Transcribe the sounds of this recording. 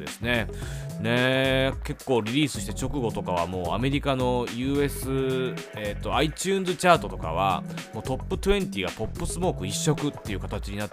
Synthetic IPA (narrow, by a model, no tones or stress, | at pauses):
d̪e̞̰sɨne̞ | ne̞ke̞kːo̞ːɾʲiɾʲiːsɨɕi̥t̪e̞t͡ɕo̞kɯ̟ɡo̞t̪o̞kaβ̞a̰mo̞ːa̰me̞ɾʲikano̞jɯ̟ːe̞sɨet̪ːo̞ait͡ɕɨːnzɨt͡ɕaːt̪o̞t̪o̞ka̰β̞a̰mo̞ːt̪o̞pːɯ̟t̪oẽ̞ɲt̪ʲiɡapo̞pːɯsɨmo̞ːkɯ̟iɕːo̞kɯ̟t̪ːe̞iɯ̟kat̪at͡ɕiɲ̟inat̪ː